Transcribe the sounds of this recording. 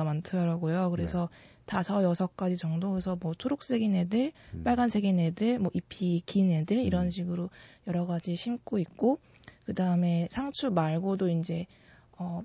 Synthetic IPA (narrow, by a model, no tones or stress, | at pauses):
amantʰɯdʌɾaɡojokɯɾe̞sʰʌ | tasʰʌjʌsʰʌk̚k͈ad͡ʑit͡ɕʌŋdoesʰʌmwʌtʰoɾok̚s͈e̞ɡine̞dɯɭp͈aɭɡansʰe̞ɡinedɯɭmwʌʔipʰikine̞dɯɾiɾʌnɕʰiɡɯɾojʌɾʌɡad͡ʑiɕʰimk͈oik̚k͈o | kɯdaɯme̞sʰaŋt͡ɕʰumaɭɡodoind͡ʑe̞ | ʌ